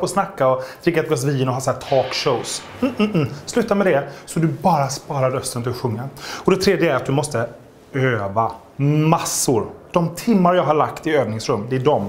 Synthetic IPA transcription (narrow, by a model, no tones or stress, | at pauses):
pɔsnakːaɔd̪̥ɾɪkːat̪̚ɡɑs̬viːnɔɦɑːsaæːʈ̪ʰɔːkʂoʊs | m̩ːslʉ̟ːt̪ːamɛd̪ɛsɔd̪ɵbɑːɾaspɑːɾaɾœst̪ənt̪ʰɪlɔɧɵŋːaɔd̪ɛt̪ʰɾeːd̪jəæɾat̪̚d̪ɵmɔst̪ə | øːva | masːʊɾd̪̥ɔmt̪ʰɪmːaɾjɑːɡɦaɾɭakt̪ɪøːvnɪŋsɾɵmːd̪ɛːɖɔm